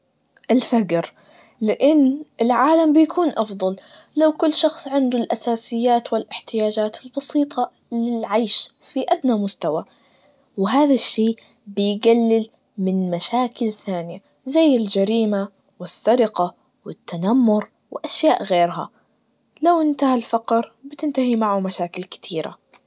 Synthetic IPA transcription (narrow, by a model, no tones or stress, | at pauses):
ʔɪlfaɡɾ | lɪʔɪnːʔɪlʕaːlambɪjakʰuːnʔɑfd̪ˤɑl | lawkʊlːʃɑxsˤʕɪnd̪ʊlʔasaːsɪjːaːt̪wɪlʔɪħt̪ɪjaːd͡ʒaːt̪ɪlbɑsiːt̪ˤɑ | lɪlʕajʃ | fiʔad̪namʊst̪awa | wɪɦaːðaʃːiː | bɪjɡalːɪl | mɪnmaʃaːkɪlθaːnɪja | zajːɪld͡ʒaɾiːma | wɪsːaɾɪqa | wɪt̪ːanamːʊɾ | wɪʔaʃjaːʔɣeːɾɦa̰ | lawʔɪnt̪ahalfɑqɾbɪt̪ɪnt̪ahimaʕumaʃaːkɪlkɪ̥t̪ʰiːɾa̰